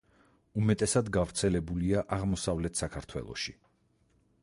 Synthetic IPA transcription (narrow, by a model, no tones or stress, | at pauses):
umɛt̪ʼɛsad̪ɡavɾt̪sʰɛlɛbuliaʔaʁmɔsavlɛt̪ʰsakʰaɾt̪ʰwɛ̰lˠɔ̰ʃi